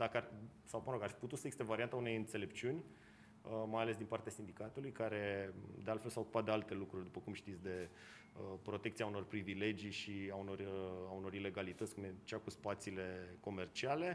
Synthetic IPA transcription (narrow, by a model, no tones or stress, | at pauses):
d̪akəaɾʲsawməɾoɡarfiput̪ut̪səjesit̪evaɾiant̪aune̞jɨnt̪se̞le̞pt͡ʃiunʲ | əmajalesd̪inpaɾrt̪easind̪ikat̪ulujkaɾe̞d̪ealt̪fe̞lsawokupat̪d̪ealt̪e̞lukɾurʲd̪upəkumʃt̪it̪sʲd̪e̞ | əpɾo̞t̪ekt̪siauno̞rpɾivile̞d͡ʒijʃiauno̞rauno̞ɾile̞ɡalit̪ət̪skumet͡ʃakuspat̪sile̞ko̞me̞rt͡ʃiale̞